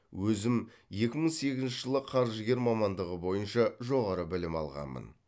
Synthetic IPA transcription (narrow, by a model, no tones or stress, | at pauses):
wɵzɪm | je̞kʲɪməɴse̞ɡʲɪznʃɪʒəlˠəqʰɑɾʒəɡʲe̞ɾmɑmɑnd̪əʁəbo̞jənʃɑʒo̞ʁɑɾəbɪlɪmɑ̰lˠʁɑ̰nmə̰n